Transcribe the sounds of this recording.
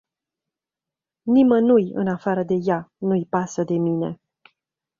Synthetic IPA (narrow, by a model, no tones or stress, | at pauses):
nimənujɨ̰nafaɾəd̪e̞janujpasəd̪e̞mine̞̰